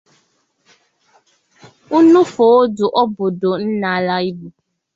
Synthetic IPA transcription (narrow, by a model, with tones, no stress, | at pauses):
u˦nũ˦fo˨˦du˨ʔɔ˦bo˨do˨n̩˦na˨la˦i˦bu˨